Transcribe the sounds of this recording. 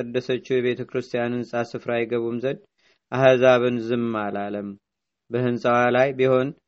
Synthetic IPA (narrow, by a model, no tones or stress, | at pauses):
əd̪ːəsət͡ʃːujɛβe̞t̪ʰəkɾɨst̪ʰijanhɨnsʼasɨfɾajɡəβumzən | ʔahzaβɨnzɨmːalaləm | bəhɨnsʼəwalajbiho̞n